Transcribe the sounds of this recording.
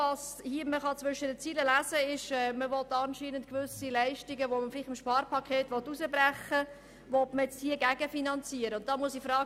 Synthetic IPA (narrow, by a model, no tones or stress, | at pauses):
ɑshiəməχɑt͡sʋʏʃədət͡siːləlæzəɪʃɛːməʋɔtːɑnʃiːnəntkʋʏsilæɪʃtɪɡəʋoməfɪlɪχɪmʃpɑːɾpʰɑkʰeːtʋɔtːusəbɾæχə | ʋɔtməjɛt͡sthiːəɡæɡəfinɑnt͡siːəɾəʊnt̚d̥ɑːmuəsifɾɑː